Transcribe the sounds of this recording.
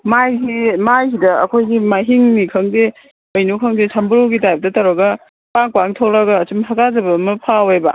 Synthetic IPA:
majɡimajsidɐɐ̰kʰojɡimajɦiŋnikʰɐŋde | ojnukʰɐŋdesʰambɯɾoɡitajbɐdɐtaɾɐɡɐ | paŋpaŋtʰoɾɐɡɐːt͡ʃumɦaɡazɐbɐmɐpʰawebɐ̰

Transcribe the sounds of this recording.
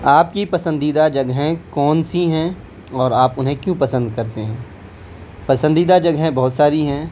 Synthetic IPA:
aːpkipɐsə̃nd̪iːd̪ad͡ʒɐɡɦẽkɔːnsiɦɛ̃ | ɔːɾaːpʊnɦẽkjũpɐsə̃nd̪kɐɾt̪eɦɛ̃ː | pɐsə̃nd̪iːd̪ad͡ʒɐɡɦɛ̃bɐɦʊt̪saːɾiɦɛ̃ː

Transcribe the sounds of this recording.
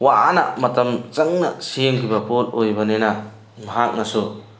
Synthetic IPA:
wanɐ̰mɐtɐmt͡ʃɐŋnɐ̰simkʰibɐpolojbɐnenɐ | mɐɦak̚nɐsu

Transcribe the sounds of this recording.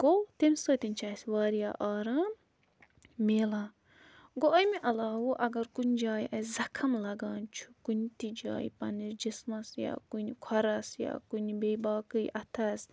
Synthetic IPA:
ɡ̥ot̪imsoːt̪int͡ʃʰaːsʋaːɾija̰ːʔaːɾaːm | meːlaː | ɡoʔɐjmiʔɐlaːwuʔɐɡɐɾkunʲd͡ʒaːjiʔɐzɐkʰɐmlɐɡaːnt͡ʃʰu̥kunt̪id͡ʒa̰ːjpɐniɾd͡ʒismɐsja̰ːkunikʰɐɾɐsja̰ːkunibeːbaːkɨjʔɐt̪ʰɐs

